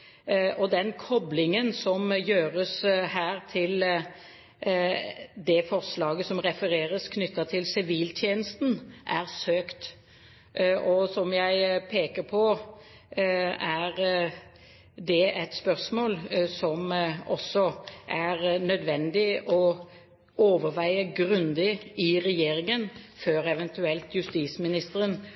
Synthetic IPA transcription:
ʔɔd̪ɛnkʰɔblɪŋənsɔmjøːɾəshæːʁt̪ʰɪl | d̪ɛfɔʁslɑːɡəsɔmʁɛfəʁeːʁəskʰnʏt̪ːɑt̪ʰɪlsɪʋiːlt̪ʰjeːnəst̪n̩ʔæʁsøːkt̪ | ʔɔsɔmjæɪpʰeːkəɾpʰɔ | æɾ | d̪ɛʔɛt̪spœʁsmoːlsɔmɔ̰sːɔʔæʁnœd̪ʋɛnd̪ɪʔɔ | oːʋəɾʋæɪəɡɾʉnd̪ɪɪʁɛjeːɾɪŋənføːɾɛʋɛnt̪ʉɛlt̪jʉst̪iːsmɪnɪst̪əɾən

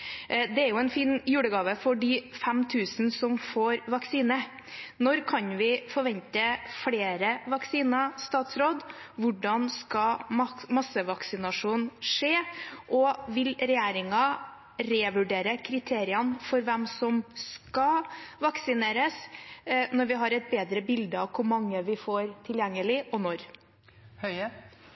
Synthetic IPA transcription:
d̪ɛæɾjʊɛnfiːnjʉːɽəɡɑːʋəfɔɖɪfɛmt̪ʰʉːsn̩sɔmfoːɾʋɑksiːnə | nɔɾkʰɑnʋɪfɔɾʋɛnt̪əfɽeːɾəʋɑksiːnɑst̪ɑːt̪sɾoːd̪ʋʊɖɑnskɑmɑsəʋɑksɪnɑʂuːnʂeːʔɔʋɪlɾɛjeːɾɪŋɑ | ɾeːʋʉɖeːɾəkʰɾɪt̪ʰeːɾɪɑnfɔɾʋɛmsɔmskɑʋɑksɪneːɾəs | nɔɾʋɪɦɑɾɛt̪̚beːd̪ɾəbɪld̪əɑʋkʰʊɾmɑŋːəʋɪfoːɾt̪ʰɪljɛŋːəlɪʔɔnɔɾ | hœ

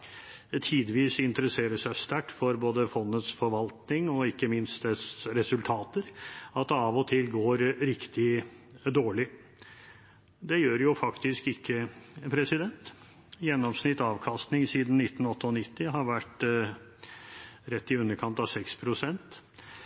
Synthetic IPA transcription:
t̪ʰiːd̪ʋiːsɪnt̪əɾəseːɾəʂæɪst̪æʈːfɔɾboːd̪əfɔnːət̪sfɔɾʋɑlt̪nɪŋɔɪkːəmɪnst̪ɛsɾɛsʉlt̪ʰɑːt̪əɾɑt̪̚d̪ɑːʋɔt̪ʰɪlɡoːɾɾɪkt̪ɪ | d̪oːɭɪ | d̪ɛjøːɾjʊfɑkt̪ɪskɪkʰːəpʰɾɛsɪd̪ɛnt̪ | jɛnːɔmsnɪt̪ːɑːʋkʰɑst̪nɪŋsiːd̪n̩nɪt̪ːn̩ɔt̪ːəɔnɪt̪ːɪɦɑɾʋæʈ | ɾɛt̪ːɪʉnːəɾkʰɑnt̪ɑʋsɛkspʰɾʊsɛnt̪

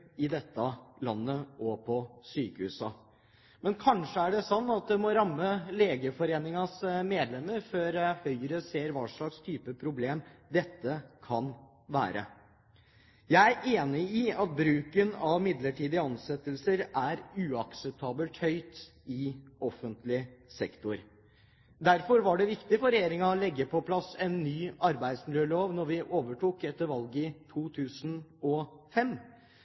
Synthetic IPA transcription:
ɪd̪ɛt̪ːəlɑnːəʔɔpʰɔsyːkəhʉ̰ːsɑ | mɛnkʰɑnʂəæɖɛsɔnːɑt̪̚d̪ɛmɔɾɑmːəleːɡəfɔɾeːnɪŋɑsmeːd̪lɛmːəɾføɾhœʏəɾəseːɾʋɑːʂɭɑkst̪ʰyːpəpʰɾʊbleːmd̪ɛt̪ːəkʰɑn | ʋæ̰ːɾə̰ | jæɪæɾʔeːnɪɪɑt̪̚bɾʉːkənɑʋmɪd̪ləʈiːd̪ɪɑnsɛt̪ːəlsəɾæɾʉːɑksɛp̚t̪ʰɑːbəlt̪hœʏt̪ | ɪɔfənt̪lɪsɛkt̪ʊɾ | d̪æɾfɔɾʋɑɖɛʋɪkt̪ɪfɔɾɛjeːɾɪŋɑɔlɛɡːəpʰɔpʰlɑsɛnːyːɑɾbæɪd̪smɪljøːɭoːʋnɔɾʋɪʔoːʋəʈuːkɛt̪ːəɾʋɑlɡɪt̪ʰuːt̪ʰʉːsn̩ɔfɛm

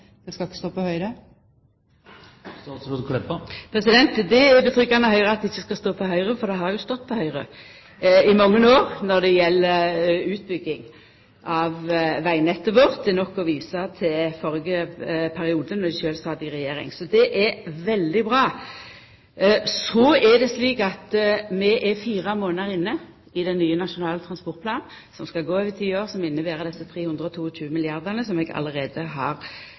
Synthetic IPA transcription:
d̪̥ɛskɑɪkːəst̪oːpʰɔhœʏɾə | sɔd̪kʰlɛpːɑpʰɾɛsɪd̪ɛnt̪d̪ɛbət̪ʰɾʏkːɑnəɦœʏʁəɑt̪d̪ɪçːəskɑst̪oːpʰɔɦœʏɾəfɔɾd̪ɛɦɑʁjʊst̪ɔt̪ːpʰɔhœʏɾə̰ | ɪmɑŋːənoːʁnɔd̪ɛjɛlːəʉːt̪̚bʏɡːɪŋ | ʔɑʋʋæɪnɛt̪ːəʋoːʁt̪d̪ɛnɔkːɔʋiːsɑt̪ʰɪfɔɾɡəpʰæɾɪuːd̪ənɔd̪ɛʃøːlst̪ɑːd̪ɪɾʁɛjeːɾɪ̰ŋsɔd̪ɛʔɛɾʋɛld̪ɪbɾɑː | sɔɛd̪ɛsliːkɑt̪mɛʔɛfiːʁəmoːnəɾɪnːə | ɪd̪ɛnːyːənɑʃʊnɑːlət̪ʰʁɑnspɔɾt̪̚pʰlɑːn | sɔmskɑlɡoːøːʋət̪ʰiːoːʁsɔmɪnːəʋeːʁəd̪ɛsːət̪ʰɾeːhʉnd̪ɾʁəɔt̪ʰuːɔɕʉːəmɪlɪɑʁd̪ənəsɔmɛɡɑ̰ləɾeːd̪əɦɑʁ

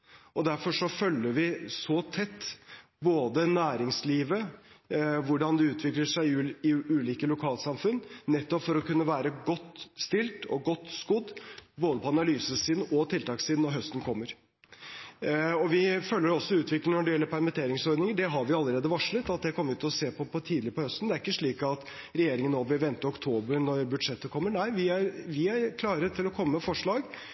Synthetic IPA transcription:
ʔɔd̪æɾfɔʂɔfœlːəɾʋɪsɔt̪ʰɛt̪ː | boːd̪ənæːɾɪŋsliːʋə | ʋʊɖɑnd̪ɛʉːt̪ʰʋɪkləʂæɪɪʉːliːkəlʊkʰɑːlsɑmfʉnːnɛt̪ːɔpfɔɾɔkʉnːəʋæːɾəɡɔt̪ːst̪ɪlt̪ɔ̰ɡɔt̪ːskʊd̪boːd̪əpʰɔɑnɑlyːsəsiːd̪ʔɔt̪ʰɪlt̪ɑːksiːd̪nɔɾɦœst̪ən̩kʰɔmːəɾ | ɔʋɪfœlːəɖɾɔsːɔʉːt̪ʰʋɪklɪŋnɔɖɪjɛlːəɾpæɾmɪt̪ʰeːɾɪŋsɔɾd̪nɪŋəɖɛɦɑɾʋɪɑlːəɾeːd̪əʋɑʂɭət̪ɑt̪̚d̪ɛkʰɔmːəʋʉt̪ʰːɪɔseːpʰɔpʰɔt̪ʰiːd̪lɪɾəpɔhœst̪n̩d̪ɛæɾɪkːəʂɭiːkɑt̪ | ɾɛjeːɾɪŋənːoːʋɪlʋɛnt̪əɔkt̪ʰoːbəɾnɔɾbʉd̪ʂɛt̪ːəkʰɔmːənæɪʋɪæɾʋɪæɾkʰlɑːɾət̪ʰɪlɔkʰɔmːəːmfɔʂɭɑːɡ

